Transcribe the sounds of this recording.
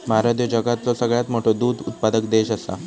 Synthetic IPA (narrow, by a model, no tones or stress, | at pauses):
məɦaɾad̪jəd͡ʑəɡat̪t͡sɔsəɡɭjat̪moʈʰod̪uːd̪ʱut̪̚pad̪əkd̪eɕəsa̰